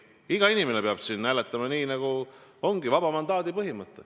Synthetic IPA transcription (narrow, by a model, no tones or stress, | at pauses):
iɡ̥ɑinimenepeɑb̥sinːælet̪ːˑɑmɑniːnɑɡ̥uo̞ŋɡ̥ivɑb̥ɑmɑnd̪ɑːd̪ipɤɦimɤt̪ːˑe